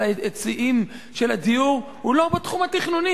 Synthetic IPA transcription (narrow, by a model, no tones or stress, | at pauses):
et͡siʔim | ʃelad̪ijuʁ | hulobet̪χumhat̪iχnuni